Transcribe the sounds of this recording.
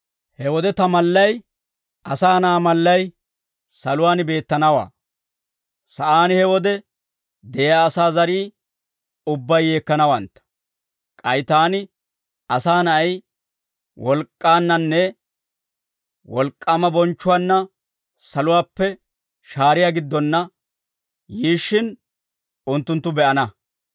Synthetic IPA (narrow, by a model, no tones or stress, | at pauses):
hɛwɔd̪ɛt̪ɐmɐlːɐj | ɐsaːnɐʔːmɐlːɐj | sɐlʊwaːnbe̞ːt̪ːɐnɐwa̰ː | sɐʔaːnɪhɛwɔd̪ɛ | d̪ɛjaːsaːzɐɾiː | ʊbːɐjːe̞ːkːɐnɐwɐnt̪ːɐ̥ | kʼɐjt̪aːnɪ | ɐsaːnɐɐj | wɔlkʼːaːnːɐnːɛ | wɔlkʼːamɐbɔnt͡ʃːʊwaːnːɐ | sɐlʊwaːpːɛ | ʃaːɾɪjaːɡɪd̪ːɔnːɐ | jiːʃːɪn | ʊnt̪ːʊnt̪ːʊbɛʔɐnɐ